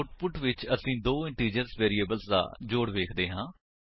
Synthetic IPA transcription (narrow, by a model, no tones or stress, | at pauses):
ʊʈpʊʈʋɪt͡ʃəsĩːd̪oːɪ̃ɳʈɾiːd͡ʒəɾsʋeːɾiːeːbəlsd̪a̰ːd͡ʒoːɽʋeːkʰd̪eːɦãː